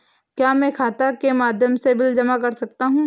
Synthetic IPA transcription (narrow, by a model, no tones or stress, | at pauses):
kjaːmɛ̃kʰaːt̪akemaːd̪ʱjəmsebɪld͡ʒɐmakɐɾsɐk̚t̪aɦũː